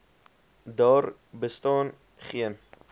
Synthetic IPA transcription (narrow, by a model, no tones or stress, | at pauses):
dɑːr | bəstɑːn | χiən